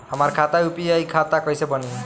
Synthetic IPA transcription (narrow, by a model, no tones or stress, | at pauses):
həmaɾkʰat̪aupiajkʰat̪akɔjsebʌni